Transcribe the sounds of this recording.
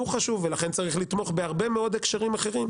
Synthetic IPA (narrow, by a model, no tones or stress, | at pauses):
uχaʃuvːelaχe̞nt͡saʁiχlit̪mo̞χbeaʁbe̞meo̞d̪ekʃaʁimaχe̞ʁim